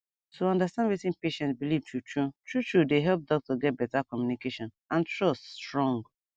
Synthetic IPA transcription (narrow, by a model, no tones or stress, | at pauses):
toɔ̃ndastãnwitĩnpeʃɛ̃ntbilivtɹutɹutɹutɹudeɦɛlp̚dɔk̚tɔɡɛt̚bɛtakɔmjunikeʃɔ̃n | ãntɹɔststɹɔ̃ŋɡ